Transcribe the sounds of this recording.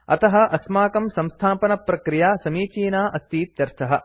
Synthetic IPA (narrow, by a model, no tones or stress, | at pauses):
ɐ̰t̪ɐɦɐ̆ʔɐsmaːkɐmsɐmst̪ʰaːpɐnɐpɾɐkɾijaːsɐmiːt͡ʃiːnaːʔɐst̪iːt̪jɐɾt̪ʰɐɦɐ